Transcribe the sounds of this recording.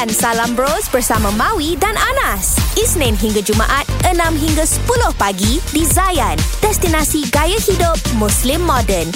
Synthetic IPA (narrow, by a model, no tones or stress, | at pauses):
ansalambɾosbərsamãmãwidananasisnãnɦiŋɡad͡ʒuma̰ʔat̪̚ənãmɦiŋɡasə̥pulʊhpaɡidizajand̥ɛst̪inãsiɡajahidʊp̚mũslimːɔdən